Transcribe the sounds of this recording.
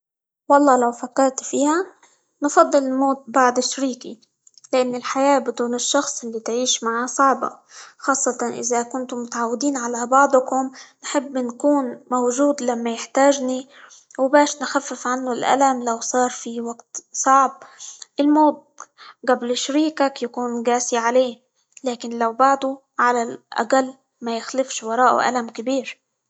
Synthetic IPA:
wɑlˤːɑːlawfakːɑɾˤt̪fiːha | nfɑd̪ˤːɨlɪlmoːt̪̚baʕd̪ɪʃɾiːki | lɪʔanːɪlħajaːbɪd̪uːnɪʃːɑxsˤʔɪlːit̪ʕiːʃmaʕasˤɑʕbɑ̰xɑːsˤːɑt̪ɑnʔɪ̰zakʊnt̪ʊmʊt̪aʕawːɪd̪iːnʕalabɑʕd̪ˤkʊmnħɪbːnkuːnmowʒuːd̪lamːajɪħt̪aːʒni | wbaːʃnxafːɪfʕanːʊlʔa̰lamlawsˤɑːɾˤfiwaɡt̪sˤɑʕb̚ʔɪlmoːd̪̚ | ɡablʃɾiːkakjakuːnɡaːsiʕaleː | laːkɪnlawbɑʕd̪ˤu | ʕalalʔa̰qalː | majɪxlɪfʃwɑɾˤɑːʔṵʔa̰lamkɪbiːɾ

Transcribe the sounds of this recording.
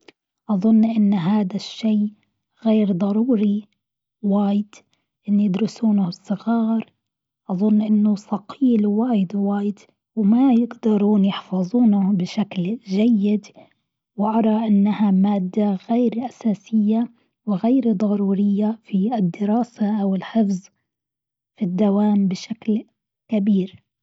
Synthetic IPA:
ʔɑðˤʊnːʔɪnːɦaːðaʃːeː | ɣeːɾd̪ˤɑɾˤuːɾi | waːjɪd̪̥ | ʔɪnːijɪd̪ɾʊsuːnʊsˤːɨɣɑːɾˤ | ʔɑðˤʊnːʔɪnːʊsˤɑqʰiːlwaːjɪd̪waːjɪd̪ | wmajɪɡd̪ɑɾˤuːnjɪħfɑzˤuːnʊbɪʃaklʒajːɪd̪ | wɪʔɑɾˤɑʔɪnːahamaːd̪ːaɣeːɾʔasaːsɪjːa | wɪɣeːɾd̪ˤɑɾuːɾɪjːafiɪd̪ːɪɾɑːsaʔawɪlħɪfz | fid̪ːawaːmbɪʃakl | kabiːɾ

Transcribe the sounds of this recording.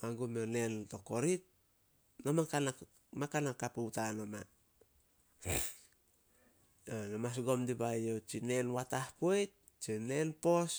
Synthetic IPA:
aɡumole̞nto̞ko̞ɾit̚ | nomakana | makanakːaputanoma | onamas̬ɡo̞mdibajot͡ʃine̞nwatahpuejt̚ | t͡ʃine̞npo̞s

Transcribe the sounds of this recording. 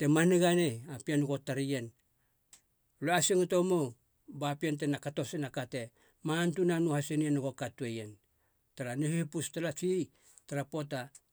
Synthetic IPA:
te̞maniɡaneapianuɡo̞taɾijen | loasiŋuto̞mow | bapiant̬enakato̞sinakate̞ | mantunanuhasenienuɡo̞katuejen | taɾanihihipustalat͡ʃij | taɾapo̞ta

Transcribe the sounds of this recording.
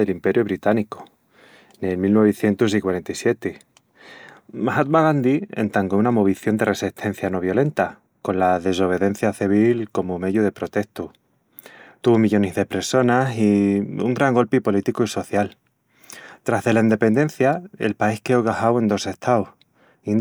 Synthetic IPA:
e̞limpe̞ɾjoβ̞ɾit̪aniko̥ | nelmilnweβeθje̞nt̪us̬ikwaɾe̞nt̪aijsje̞t̪e | mahat̪̚maɣand̪iḛnt̪aŋɡounamo̞βiθjo̞nd̪e̞rʔe̞siht̪ʰe̞n̟θjano̞β̞jo̞le̞nt̪a | ko̞nlaðe̞so̞β̞e̞ðe̞n̟θjaθiβ̞ilko̞mome̞ðjuðe̞pɾo̞t̪e̞hst̪u | t̪uβomiʎo̞nezðe̞pɾeso̞nasiṵŋɡɾaŋɡo̞lpipo̞lit̪ikuiso̞θjal | t̪ɾazðe̞laind̪e̞pe̞nd̪e̞nθjae̞̰lpaihkeoɣahawe̞nd̪o̞se̞ht̪ʰawh | in

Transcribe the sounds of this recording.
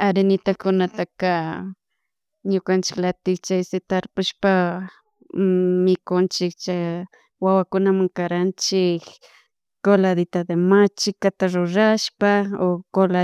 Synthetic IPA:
aɾenɪt̪akʊnat̪aka | ɲʊkant͡ʃɪ̥klat̪ɪkt͡ʃajsɪt̪aɾpʊʃpa | mɪkʊnt͡ʃɪkt͡ʃa | wawakʊnamaŋkaɾant͡ʃɪk | kolad̪ɪt̪ad̪emat͡ʃɪkat̪aɾʊɾaʃpaokola

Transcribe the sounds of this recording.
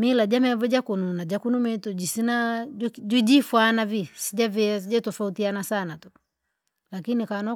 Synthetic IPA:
milad͡ʒamɛvɛd͡ʒakununad͡ʒakunumɛtɔd͡ʒisinad͡ʒid͡ʒifwanavisid͡ʒaviasid͡ʒatɔfautianasanatu | lakinikanɔ

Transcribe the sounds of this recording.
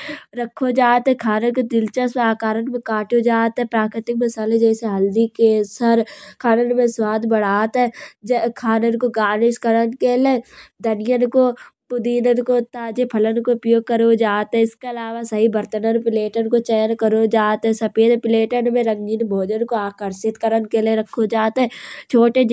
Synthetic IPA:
ɾəkʰːod͡ʒaːt̪ɦɛkʰaːnənkod̪ɪlt͡ʃəsaːkaːɾənmẽkaːʈod͡ʒaːt̪ɦɛpɾaːkɾɪt̪ɪkmɪsaːled͡ʒɛːseɦɐld̪ikesəɾkʰaːnənmẽswaːd̪bəɽ̤aːt̪ɦɛd͡ʒkʰaːnənkoɡaːnɪʃkəɾənkeːlẽd̪ʱənɪjənkopʊd̪iːnənkot̪aːd͡ʒepʰɐlənkoʊpjoːɡ̚kəɾod͡ʒaːt̪ɦɛ̃ɪskeɐlaːʋasɐɦibəɾt̪ənənpɪleːʈənkot͡ʃɛjənkəɾod͡ʒaːt̪ɦɛsɐpeːd̪pɪleːʈənmẽɾə̃ŋd͡ʒɪnbʱoːd͡ʒənkoaːkəɾʃɪt̪kəɾənkeleɾɐkʰːod͡ʒaːt̪ɦɛ̃t͡ʃʰoːʈe

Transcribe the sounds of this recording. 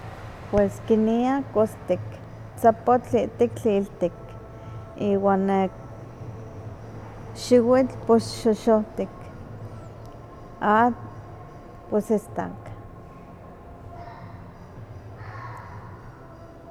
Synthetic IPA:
pweskiniakost̪ik | t͡sapot͡ɬiʔt̪ikt͡ɬiːlt̪ik | iːwanːek | ʃiwit͡ɬpoʃoʃot̪ik | at̪ | posest̪a̰k

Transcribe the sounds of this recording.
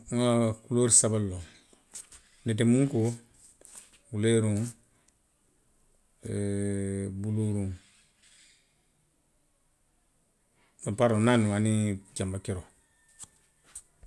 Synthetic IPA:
akuloɾisabalːoŋ | net̬emũŋko | wuleɾuŋ | buluɾuŋ | apaɾonanuanid͡ʒambakeɾo

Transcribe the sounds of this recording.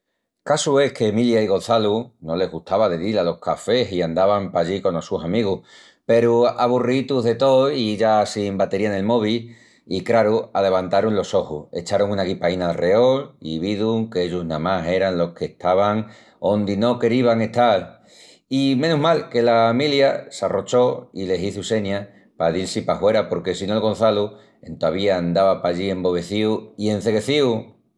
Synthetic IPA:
kasue̞hke̞ːmiljaiɣo̞nθaluno̞le̞ɦɣuht̪aβaðeðilalo̞hkafe̞ɦiand̪aβampaʎiko̞nosusamiɣ̞uh | pe̞ɾuaβ̞urit̪uɦðe̞t̪o̞iʝasimbat̪e̞ɾiane̞lmo̞β̞i | ikɾaɾuale̞βant̪aɾunlo̞so̞huhe̞̰t͡ʃaɾoŋunaɣipainaːlreo̞liβiðuŋkeeʎuɦnamaɦe̞ɾanlo̞hkʰe̞ht̪aβ̞aŋ | o̞nd̪ino̞ke̞ɾiβaŋe̞t̪al | imẽ̞nuɦmalke̞lamiljasaro̞t͡ʃo̞ile̞siθuse̞ɲa | paðilsipahwe̞ɾapo̞ɾke̞sinolɣo̞n̟θalu | e̞̰nt̪oaβ̞iand̪aβapaʎie̞mbo̞β̞e̞θiuie̞n̟θe̞ɣe̞θiu

